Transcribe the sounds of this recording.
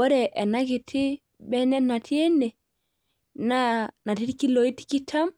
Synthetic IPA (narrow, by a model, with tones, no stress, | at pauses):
ɔ˦ɾɛ˨ʔɛ˨na˦ki˨tʰi˦ | bɛ˦nɛ˦na˨tʰi˦e˦nːɛ˨ | na˦na˨ti˦ti˦ki˦lo˨i˦ti̥˦ki˦tʰa˦m